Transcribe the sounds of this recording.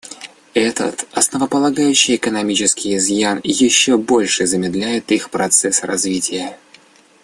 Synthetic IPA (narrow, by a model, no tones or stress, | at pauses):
ɛt̪ə̰t̪ɐsnəvəpəlˠɐɡajʉɕːɪjɪkənɐmʲit͡ɕɪskʲɪjɪzjanjɪɕːobo̞lʲʂɨzəmʲɪd̪lʲæjɪt̪ixpɾɐt̪sɛsrɐzvʲitʲɪjə